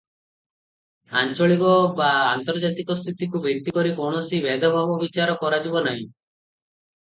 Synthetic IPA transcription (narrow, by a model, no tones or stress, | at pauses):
a̰nt͡ʃɔɭikɔbaːnt̪ɔɾd͡ʒat̪ikɔst̪ʰit̪ikubʱekt̪ikɔɾikɔɳ̃ɔsibɛd̪ɔbʱabɔbit͡ʃaɾɔkɔɾad͡ʒibɔnaɦĩ